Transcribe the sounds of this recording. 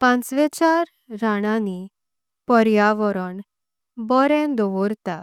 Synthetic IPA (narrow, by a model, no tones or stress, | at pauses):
pãnt͡sʋɛt͡ɕaɾː | aɽ̃ani | pəɾjaʋəɾəɳ | bɔɾɛ̃d̪ɔʋɔɾt̪a